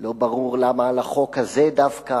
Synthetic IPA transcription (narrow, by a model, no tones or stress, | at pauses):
lo̞baʁuʁlamaːlaχo̞kazed̪avka